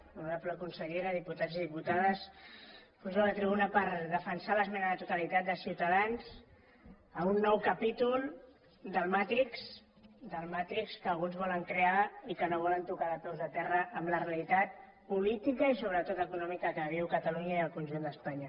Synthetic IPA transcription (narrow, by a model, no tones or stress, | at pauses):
uɾapləkunsəʎeɾəðiput̪ad͡ziðiput̪aðəs | fɔʒalət̪ɾiβunəpəɾðəfənsaləzmɛnəðət̪ut̪əlit̪at̪̚d̪əsiwt̪əðanz | əmunːɔwkəpit̪ulˠ | d̪əlˠmat̪iks | d̪əlmat̪ikskəːlɣunzβɔləŋkɾeaikənoβ̞ɔlənt̪ukaðət̪owzðət̪ɛrəʔːmləreəlit̪at̪̚ | pulit̪ikəisoβ̞ɾət̪ot̪əkunɔmikəkəβ̞iwkət̪əluɲəiəlˠkunʒund̪əspaɲə